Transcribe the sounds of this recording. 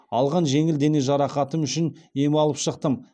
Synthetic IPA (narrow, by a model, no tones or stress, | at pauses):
ɑlˠʁɑnʒe̞ŋɪld̪e̞ne̞ʒɑɾɑqɑt̪əmʏʃɪne̞mɪɑlˠəpʃəqt̪əm